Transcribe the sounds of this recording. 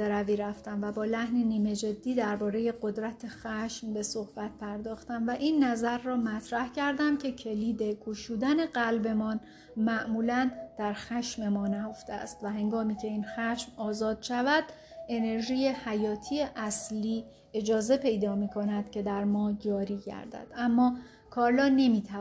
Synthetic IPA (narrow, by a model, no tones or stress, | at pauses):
eɾæviːɾæft̪æmvæbɒːlæhniniːme̞d͡ʒe̞d̪ːiːd̪æɾbɒːɾe̞je̞ɡo̞d̪ɾæt̪ʰexæʃmbe̞so̞hb̥æt̪̚pʰæɾd̪ɒːxt̪æmvæʔinːæzæɾːɒːmæt̪ʰɾæhcʰæɾd̪æmcʰe̞cʰe̞liːd̪e̞kʰuʃuːd̪æne̞ɢælbe̞mɒːn | mæʔmuːlænd̪̥æɾxæʃme̞mɒːnæjo̞ft̪eæ̰st̪væɦe̞ŋɡɒːmiːcʰe̞iːnxæʃmɒːzɒːd̪̥ʃævæd̪̥ | e̞ne̞ɾʒiːjehæjɒːt̪ʰiːeʔæsliː | e̞d͡ʒɒːze̞pʰe̞jd̪ɒːmiːkʰo̞næd̪̥cʰe̞d̪æɾmɒːd͡ʒɒːɾiːɟæ̰ɾd̪æ̰d̪̥æmːɒː | kʰɒːɾlɒːne̞miːt̪ʰæ